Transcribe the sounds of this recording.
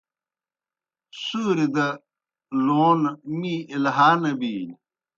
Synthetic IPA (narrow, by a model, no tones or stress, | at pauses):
suːɾid̪ɐ | loːnmiilɦaːnɐbiːl